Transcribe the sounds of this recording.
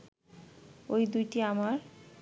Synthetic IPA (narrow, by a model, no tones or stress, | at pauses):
ojd̪ujʈiamaɾ